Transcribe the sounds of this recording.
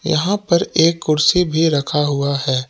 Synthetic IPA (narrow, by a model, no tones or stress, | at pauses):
jɐ̰ɦãpɐɾeːkːʊɾsibʱiɾɐkʰaɦʊaɦɛː